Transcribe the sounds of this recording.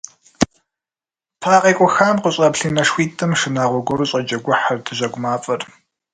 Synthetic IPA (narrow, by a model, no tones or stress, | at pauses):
pʰaːqʼiːkʷʼɔxaːmqəɕʼɐpɬiːnɐʂwiːtʰʼɨmʃɨnaːʁʷɔɡʷɔɾuɕʼɐd͡ʒʼɐɡʷʊħardɨʑʷɐɡʷʊmaːfʼɐr